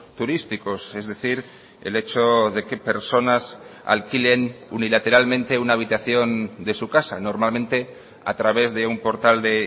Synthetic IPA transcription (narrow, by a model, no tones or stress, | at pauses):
t̪uɾist̪iko̞se̞zðe̞θiɾ | ḛle̞t͡ʃo̞ðe̞ke̞pe̞ɾso̞nasa̰lkile̞nunilat̪e̞ɾalmẽ̞nt̪e̞unaːβit̪aθjo̞nd̪e̞sukasa̰no̞ɾmalmẽnt̪e̞ | a̰t̪ɾaβ̞e̞zðe̞umpo̞ɾt̪ald̪e̞